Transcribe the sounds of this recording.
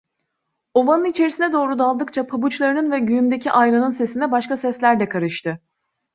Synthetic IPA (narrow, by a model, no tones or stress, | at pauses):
o̞vanɯnit͡ʃʰe̞ɾisinɛd̪o̞ːɾud̪alˠd̪ɯkt͡ʃʰapʰabut͡ʃlˠaɾɯnɯnvɛɟyjymd̪e̞cʰiʔajlˠanɯnse̞sind̪ɛbaʃkasɛslʲæɾd̪ɛkʰaɾɯʃt̪ʰɯ